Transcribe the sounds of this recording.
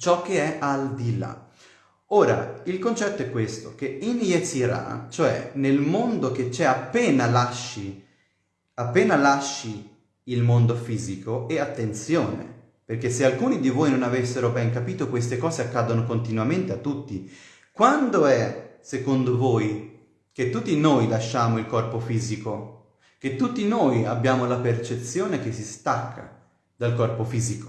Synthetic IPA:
t͡ʃɔk̟ːeɛʔald̪ila̰ | oːɾa̰ilkont͡ʃɛt̪ːoɛkːwest̪ok̟einjesiɾa̰t͡ʃoɛ̰nelmond̪oket͡ʃːɛapːɛːnalaʃːi | apːeːnalaʃːi | ilmond̪ofiːzikoɛat̪ːent̪sjoːnḛ | perk̟esːealkuːnid̪ivoːjnonavesːeɾobɛŋk̬apiːt̪okwest̪ekɔːzeakːaːd̪onokont̪inwament̪eat̪ːut̪ːi | kwand̪oɛsekond̪ovoːj | k̟et̪ːut̪ːinoːjlaʃːaːmoilkɔrpofiːziko | ket̪ːut̪ːinoːjabːjaːmolapert͡ʃet̪sjoːnek̟esːist̪akʰːa̰ | d̪alkɔrpofiːziko̥

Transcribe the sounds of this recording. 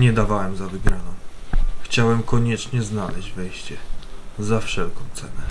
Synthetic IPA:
ɲɛd̪avawɛmzavɘɡɾanɔ̃w̃xt͡ɕawɛmkɔɲɛt͡ʂɲɛznalɛʑd͡ʑvɛjɕt͡ɕɛzafʂɛlkɔ̃w̃t̪sɛnɛ

